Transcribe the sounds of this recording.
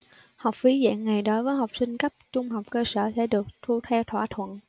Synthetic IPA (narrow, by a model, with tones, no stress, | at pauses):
ha˨˩wk͡p̚fi˨˦zɛ̰ː˧˨nːa˨˩jɗo˨˦jvəː˨˦jɦa˨˩wk͡p̚sï˧ŋ̟kə˦˥p̚t͡ɕʊ˧ŋ͡mɦa˨˩wk͡p̚kəː˧sə̰ː˧˩sɛ̰˧˩ɗɨ˨˩ək̚t̪ʰu˧t̪ʰɛ˧wt̪ʰwa̰ː˧˩t̪ʰwə̰˧˨n